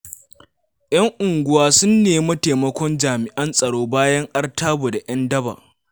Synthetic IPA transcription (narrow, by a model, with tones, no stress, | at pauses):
ʔj̰ɐ˦ŋʔʊ˨ŋɡʷʊ˦waː˦sʊ˦nːeː˨˦mɐ˦teː˨mɐ˦kʷɔ˦nd͡ʒaː˨mɪ˨ʔɐ˦nsʼɐ˨ɽoː˦baː˦jɐ˦ŋʔɐ˦rtʰaː˦boː˨da˨ʔɐ˦ndɐ˦ba̰˨ʔ